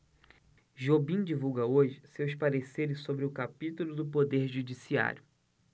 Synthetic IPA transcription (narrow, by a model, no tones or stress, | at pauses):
ʒobĩd͡ʒivuwɡɐoʒɪsewspaɾeseɾɪssobɾɪʊkapit̪ulʊd̪ʊpod̪eɾʒud͡ʒisia̰ɾjʊ